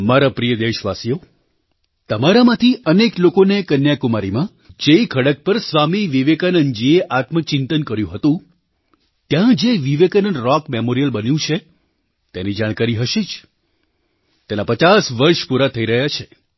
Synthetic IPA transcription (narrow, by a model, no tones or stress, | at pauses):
maɾapɾijəd̪eʃʋasijo | t̪əmaɾamãt̪ʰiəneklokonekənjakumaɾimã | d͡ʒeikʰəɽək̚pəɾsʋamiʋiʋekanənd͡ʒieʔat̪mək̚t͡ʃɪnt̪ənkəɾjũɦət̪ũ | t̪jãd͡ʒeʋiʋekanənɾɔkmemoɾijəlbənjũt͡ʃʰe | t̪enid͡ʒaɽ̃kaɾiɦəʃed͡ʒ | t̪enapət͡ʃasʋəɾʃpuɾat̪ʰəiɾəɦjat͡ʃʰe